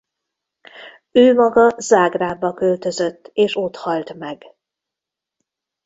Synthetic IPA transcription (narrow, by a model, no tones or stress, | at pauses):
øːmɒɡɒzaːɡraːbːɒkølt̪ø̞zøt̪ːeːʃo̞t̪hɒlt̪mɛɡ